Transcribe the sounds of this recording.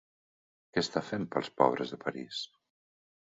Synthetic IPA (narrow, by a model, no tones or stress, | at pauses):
kɛst̪afempəlˠspɔ̰β̞ɾəzðəpəɾis